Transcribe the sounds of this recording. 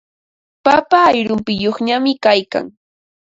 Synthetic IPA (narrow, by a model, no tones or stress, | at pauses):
papaːjɾʊmpɪjoχɲamɪkajka̰ŋ